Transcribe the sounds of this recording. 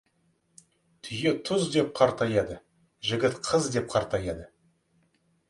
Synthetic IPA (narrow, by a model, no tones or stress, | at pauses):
t̪ʰʏje̞t̪ʰʊzd̪e̞p̚qʰɑɾt̪ɑjɑd̪ə | ʒɪɡʲɪt̪qʰəzd̪e̞p̚qʰɑɾt̪ɑjɑd̪ə